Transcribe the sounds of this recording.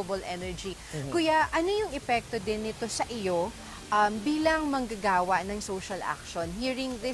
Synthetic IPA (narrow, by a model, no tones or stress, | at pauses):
bɐlʔɛnɛɹd͡ʒi | kʊjaʔɐno̞jʊŋʔɛpɛk̚t̪od̪ɪnːɪt̪o̞sɐʔɪjo̞ | ʔɐmbiːlɐŋmɐŋɡɐɡaːwɐʔnɐŋsowʃɐlʔa̰k̚ʃonhiːɹɪŋðɪ